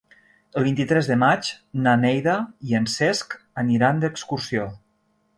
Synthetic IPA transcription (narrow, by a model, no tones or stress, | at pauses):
əlˠβint̪it̪ɾɛzðəmat͡ʃnanɛjðaiənsɛsk | əniɾand̪əkskursio